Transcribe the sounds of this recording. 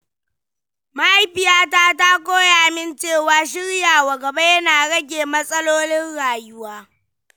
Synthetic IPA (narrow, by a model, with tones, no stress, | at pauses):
ma˦ʔa˦jɸɪ˨jaː˦taː˦ta˦kʷoː˦ja˨ʔa˨mɪ˦nt͡ʃeː˦˨waː˨ʃɪ˦ɽjaː˨wa˨ɡɐ˨ba˦jɐ˦naː˨ɽɐ˦ɡʲeː˨mɐ˦sʼɐ˦loː˦nɪ˦nɽaː˨jʊ˦waː˦